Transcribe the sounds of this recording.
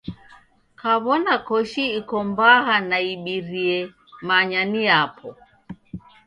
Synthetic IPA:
kaβɔnakɔʃiːkɔmbaɦanaiɓiɾiɛ | maɲaniapʰɔ

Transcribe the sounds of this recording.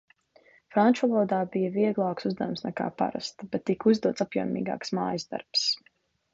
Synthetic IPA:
fɾant͡ʃvalˠɔːd̪aːbijɐviɛɡlˠaːksuzd̪ajumsnɛka̰ːpa̰ɾa̰st̪bɛt̪ːikuzd̪uɔt̪sapjṵɔmḭːɡa̰ːksmaːjəzd̪a̰ɾps

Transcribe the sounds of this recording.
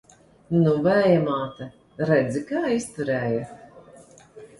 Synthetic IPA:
nuvæjɛmaːt̪a | ɾɛd̪zikaːist̪uɾɛːja

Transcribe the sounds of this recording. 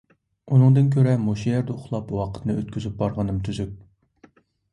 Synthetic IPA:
unɨŋd̪ɨnk̬ʲʰøɾɛmoʃijɛɾd̪ɛʊχlˠɑpwɑqʰə̥t̪nɨøt̪̚kʲʰyzyp̚bɑɾʁɑnɨmt̪ʰyzyp̚

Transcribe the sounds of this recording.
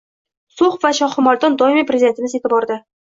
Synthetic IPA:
soχvaʃɒχɪmɒlˠd̪ɒnd̪ɒɪmipɾʲezʲid̪et̪ʰɪmɪze̞t̪ɪbɒɾd̪ɪ

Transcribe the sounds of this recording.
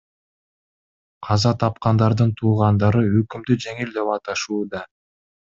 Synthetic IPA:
qʰɑzɑt̪ʰɑp̚qɑnd̪ɑɾd̪ɯnt̪ʰuːʁɑnd̪ɑɾɯøkymd̪yd͡ʒe̞ŋild̪e̞pɑt̪ɑʃuːd̪ɑ

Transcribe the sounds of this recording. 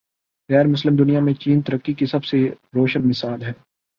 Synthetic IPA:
ɣɛːɾmʊslɪmd̪ʊnijamẽt͡ʃiːnt̪ɐɾəkːikisɐbseɾoːʃənmɪsaːlɦɛː

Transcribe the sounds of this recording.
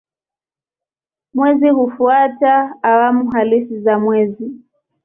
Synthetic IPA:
mwɛziɦufuataːwamuɦalisizamwɛzi

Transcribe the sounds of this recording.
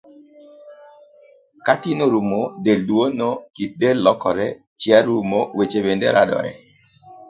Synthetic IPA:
katinoɾumodeldwonokit̚delːɔkɔɾɛ | t͡ʃjaɾumowet͡ʃebendeɾʔa̰dɔ̰ɾɛ̰

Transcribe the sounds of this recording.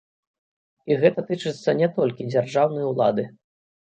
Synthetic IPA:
iɣɛt̪ɐt̪ɨt͡ʂɨt̪sːɐnʲɛt̪ɔlʲkʲid͡zʲarʐawnɐjɐwlˠa̰d̪ɨ

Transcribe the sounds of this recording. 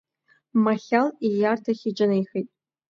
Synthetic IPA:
maχʲalijartʰaχʲɪd͡ʒʼɪnejxejtʼ

